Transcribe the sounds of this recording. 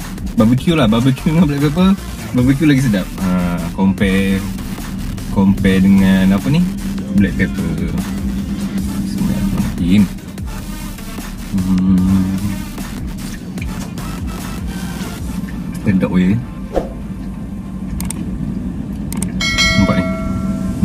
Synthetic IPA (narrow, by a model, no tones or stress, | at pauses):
babəkulababəkuŋabəlɛʔ̚pep̬ə | babək̬julaɡis̬ədap̚əkɔmpɛ | kɔmpɛdəŋanapəniblɛʔ̚pepə | səna̰ʔmamakin | st̪ɛdɔ̰ʔwei | əmpaʔi